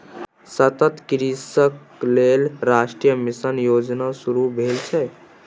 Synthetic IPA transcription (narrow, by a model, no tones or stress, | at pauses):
sət̪ət̪kiɾisək | lelɾasʈɾijəmisənjod͡ʒnasuɾubʱelt͡ʃʰɛ